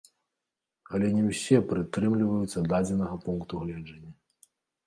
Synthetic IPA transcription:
ɐlʲɛnʲɛwsʲɛpɾɨt̪ɾɨmlʲivɐjut̪sːɐd̪ad͡zʲɛnɐɣɐpunkt̪uɣlʲɛd͡ʐɐnʲːɐ

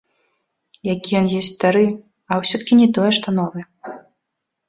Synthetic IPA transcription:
jakʲijɔnjɔsʲtʲsʲst̪aɾɨ | ɐwsʲɔt̪ɐ̥kʲinʲɛt̪ɔjɛʂt̪ɔnɔvɨ

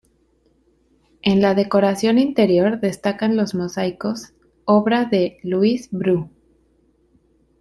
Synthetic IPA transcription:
e̞nlaðe̞ko̞ɾasjo̞nint̪e̞ɾjo̞ɾðe̞st̪akanlo̞zmo̞sajko̞s | o̞βɾaðe̞luizbɾu

